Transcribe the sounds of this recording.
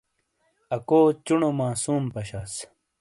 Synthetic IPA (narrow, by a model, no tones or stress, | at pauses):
ɐkoːt͡ɕuɳomaːsuːmpɐɕaːs